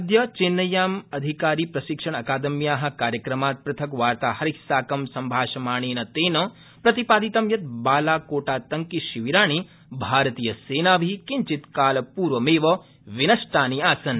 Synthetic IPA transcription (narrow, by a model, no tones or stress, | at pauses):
d̪jɐt͡ʃenːɐjaːmɐd̪ʱikaːɾiːpɾɐʃikʂɐɳ̃ɐkaːd̪ɐmjaːɦɐ̆kaːɾjɐkɾɐmaːt̪̚pɾɐt̪ʰɐkʋaːɾt̪aːhɐɾiksaːkɐmsɐmbʱaːʃɐmaːɳ̃eːnɐt̪eːnɐ | pɾɐt̪ipaːd̪it̪ɐmjɐt̪̚baːlaːkoːʈaːt̪ɐŋkiʃiʋiɾaːɳ̃i | bʱaːɾɐt̪iːjɐseːnaːʋʱikiɲt͡ʃit̪kaːlɐpuːɾʋɐmeːʋɐ | ʋinɐʃʈʰaːniaːsɐn